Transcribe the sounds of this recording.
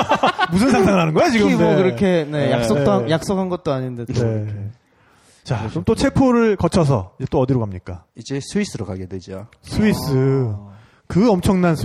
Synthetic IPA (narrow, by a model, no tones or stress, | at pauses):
musʰɯnsʰaŋsʰaŋɯɾɦanɯnɡʌjat͡ɕiɡɯkɯɾʌkʰe̞ne̞jakss͈okajak̚s͈okʰanɡʌt̚t͈oaɲindee | t͡ɕat͡ɕomt͈ot͡ɕʰe̞pʰoɾɯɭkʌt͡ɕʰʌs̬ʰʌ̰id͡ʑe̞t͈oʌdiɾoɡamɲik͈aid͡ʑesʰuis͈ɯɾokaɡedwed͡ʑia | sʰuis͈ɯ | kɯʌmt͡ɕʰʌŋnansʰ